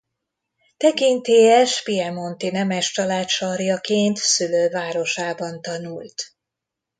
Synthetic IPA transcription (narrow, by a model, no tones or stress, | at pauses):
t̪ɛkint̪eːɛʃpiɛmo̞nt̪inɛmɛʃt͡ʃɒlaːt̪ʃɒrjɒkeːnt̪syløːvaːɾo̞ʃaːbɒnt̪ɒnult̪